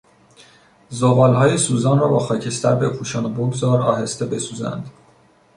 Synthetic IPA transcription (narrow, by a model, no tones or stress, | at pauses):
zoɣɒːlhɒːjesuːzɒːnrɒːbɒːxɒːcʰe̞st̪æɾbe̞pʰuːʃɒːneboɡzɒːɾɒ̰ːɦe̞st̪e̞be̞suːzæ̰nd̪̥